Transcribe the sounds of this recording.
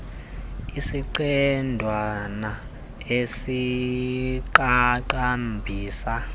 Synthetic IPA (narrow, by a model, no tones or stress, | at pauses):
isiǃɛndʱwana | esi | ǃaǃambʱiːsa